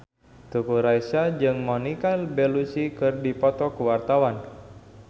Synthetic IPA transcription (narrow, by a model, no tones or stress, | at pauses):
t̪ukuɾajsad͡ʒɨŋmɔnikalbɛlusikɨrdipɔt̪ɔkuwart̪awan